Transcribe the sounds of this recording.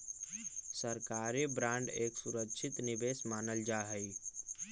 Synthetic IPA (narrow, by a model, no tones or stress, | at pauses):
səɾkaɾibɾãɳɖeksuɾəkt͡ʃʰit̪nibesmaːnəld͡ʒaɦəj